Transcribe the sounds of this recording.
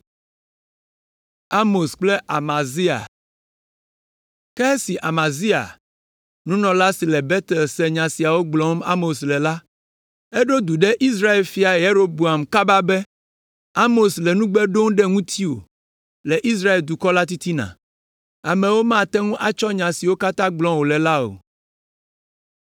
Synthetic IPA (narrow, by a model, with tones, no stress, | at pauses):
a˦mo˨sk͡plɛ˦ʔa˨mã˨zi˦a̰˨ | kɛ˦si˨ʔa˨mã˨zi˦a̰˨ | nũ˦nɔ̃˨la˦si˨lɛ˨bɛ˦t̪ɛ˨lsɛ˨ɲã˨si˨a˨wo˦ɡ͡blɔ˨˦ma̰˦mo˨slɛ˨la˦ | ɛ˦ɖo˦d̪u˨ɖɛ˦ʔi˦s̬ɾa˦e˨lfi˨˦a˨e˨je˦ɾo˦bu˨a˨mka˦ba˦bɛ˦ | a˦mo˨slɛ˨nũ˦ɡ͡bɛ˦ɖo˦ŋɖɛ˦ŋũ˦t̪ʰi˦o̰˨ | lɛ˨ʔi˦s̬ɾa˦e˨ld̪u˨kɔ˦la˦t̪i˦t̪i˦nã̰˨ | a˨mɛ̃˨wo˦mã˦˨t̪ɛ˦ŋũ˦ʔa˨t͡ʃɔ˦ɲã˨si˨wo˦ka˦t̪ã˦ɡ͡blɔ̃˦wo˨lɛ˨la˦o̰˨